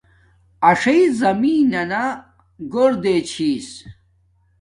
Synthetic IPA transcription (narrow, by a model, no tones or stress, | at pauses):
ɐʂɐizɐmiːnɐna | ɡoɾd̪et͡ɕʰiːs